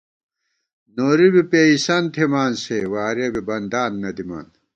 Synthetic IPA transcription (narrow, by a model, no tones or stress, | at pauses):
noːɾibipeːisɐnt̪ʰimaːnsewaːɾɐbibɐnd̪aːnːɐd̪ima̰ːn